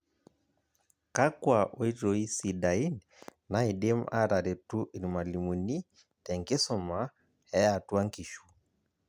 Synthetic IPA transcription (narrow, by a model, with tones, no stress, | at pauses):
ka˦kwa˨ʔɔ˨˦i˦tɔ˨i˦si˨da˨i˦n | na˦i˨dɛ˦ma̰˦ɾa˨ɾɛ˨tu˦ʔi˨ɾma˨li˨mu˨ni˦ | tɛ˨ŋke˦sɔ˦˨ma˦ | ɛ˦a˨tu˦a˦ŋki˨ʃu˨